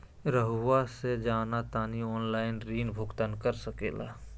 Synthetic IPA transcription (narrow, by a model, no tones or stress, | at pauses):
ɾəɦwased͡ʒaːnat̪aːniɔːnlaːɪnɾiːnbʱʊɡt̪ənkəɾsəkḛːla̰ː